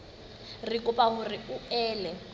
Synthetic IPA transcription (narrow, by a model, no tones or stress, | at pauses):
rikʼʊpʼaɣʊrɪʊɛːlɛ